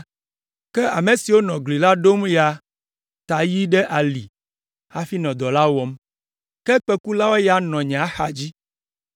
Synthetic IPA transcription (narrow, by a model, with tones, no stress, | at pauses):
kɛ˦a˨mẽ˨si˨wo˦nɔ̃˨ɡli˨la˦ɖo˦mja˨ | t̪a˨ji˦ɖɛ˦ʔa˨li˨ | a˦fi˦nɔ̃˨d̪ɔ˨la˦wɔ˨m | kɛ˦k͡pɛ˦ku˦la˦wo˦ja˦nɔ̃˨ɲẽ˨a˨˦xa˨d͡ʑi˦